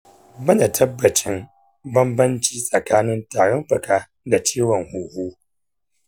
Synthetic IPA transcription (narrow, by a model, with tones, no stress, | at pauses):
bɐ˦naː˨tʰɐ˦bːɐ˨t͡ʃɪ˦m | bɐ˦mbɐ˦nt͡ʃiː˦sʼɐ˨kaː˦nɪ˦ntaː˨ɽɐ˦mɸɐ˨kaː˦ | da˨t͡ʃiː˦wɔ˨ŋhuː˨huː˦